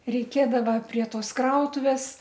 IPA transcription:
rʲɛɪˈkʲeːdɐʋɐ pʲrʲiɛ ˈtoːs ˈkrɐʊtʊʋʲeːs

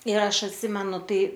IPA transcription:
ɪr ˈɐʃ ɐtʲˈsʲɪmʲɛnʊ ˈtɐɪ

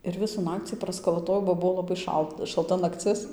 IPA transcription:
ɪr ˈʋʲɪsuː ˈnɑːkt͡sʲiː prɐskɐlˠɐˈtoːjɛʊ bɐ ˈbuɔ lˠɐˈbɐɪ ˈʃɐlˠt ʃɐlˠˈtɐ nɐkˈt͡sʲɪs

